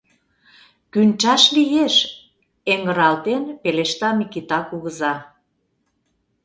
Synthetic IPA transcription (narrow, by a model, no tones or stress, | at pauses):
kynʲt͡ʃɑʃlijeʃ | eŋɡə̆ɾɑlt̪enpeleʃt̪ɑmikit̪ɑkuɣə̆zɑ